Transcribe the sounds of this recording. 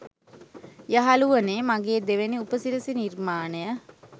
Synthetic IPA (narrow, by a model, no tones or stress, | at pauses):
jaɦaluʋənemaɡeːd̪eʋeniupəsiɾəsinirmaːnəjə